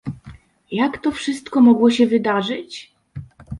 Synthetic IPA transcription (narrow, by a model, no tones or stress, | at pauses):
jakt̪ɔfʂɘst̪kɔmɔɡwɔɕɛvɘd̪aʐɘt͡ɕ